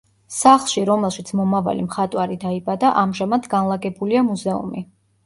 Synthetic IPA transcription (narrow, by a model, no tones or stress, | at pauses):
saχlˠʃiɾɔmɛlˠʃit̪sʰmɔmava̰lḭmχat̪ʼwaɾid̪aibad̪aʔamʒamad̪ɡanlˠaɡɛbuliamuzɛṵmi